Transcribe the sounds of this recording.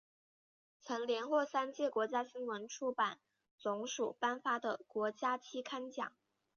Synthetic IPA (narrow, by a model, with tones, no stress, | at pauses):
t͡sʰɤ˧˥ŋljɛ˧˥nxwɔ˥˩sa˥nt͡ɕjɛ˥˩kwɔ˧˥t͡ɕja˥ɕi˥ŋwə˧˥nʈ͡ʂʰu˥˩pa˨˩˦n | t͡sʊ˧˥ŋʂu˨˩pa˥nfa˥d̪ə˨˩kwɔ˧˥t͡ɕja˥t͡ɕʰi˥kʰa˥nt͡ɕjɑ̰˨˩˦ŋ